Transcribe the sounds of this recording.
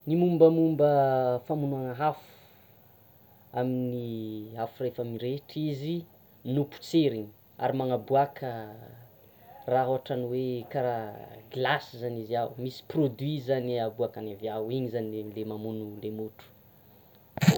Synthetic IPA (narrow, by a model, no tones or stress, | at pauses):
nimumbəmumbəfamunuaŋəɦafu̥ | aminiafurefamiɾeʈ͡ʂizi | nupu̥t͡seɾiɲ | a̰ɾimaŋabuakʰə | raɦoaʈ͡ʂaniwekaɾaɡlasizaniziawmisi̥prod̪wizaniabuakanavjawiɲizanielemamunulemuʈ͡ʂu̥